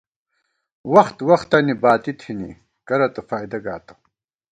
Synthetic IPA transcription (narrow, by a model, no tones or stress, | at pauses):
wɐxt̪wɐxt̪ɐnibaːt̪it̪ʰinḭ | kɐɾɐt̪ɐfaːjd̪ɐɡa̰ːt̪ɐ̥